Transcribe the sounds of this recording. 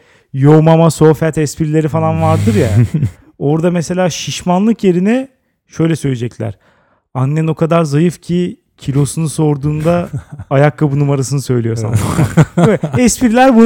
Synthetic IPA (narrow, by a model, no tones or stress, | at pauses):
jomamaso̞fɛt̪ɛspʰiɾlʲe̞ɾifalˠanvaɾd̪ɯɾja | o̞ɾd̪amese̞lʲaːʃiʃmanlˠɯkje̞ɾinɛ | ʃø̞jlʲɛsøjlʲed͡ʒɛclʲæ̰ɾ̥ | anːɛno̞kʰad̪aɾzajɯfcʰi | cʰilʲo̞sunuso̞ɾd̪uːnd̪aajakːabunumaɾasɯnɯsø̞jlʲijo̞sa̰nɛɛspʰiɾilʲæɾbu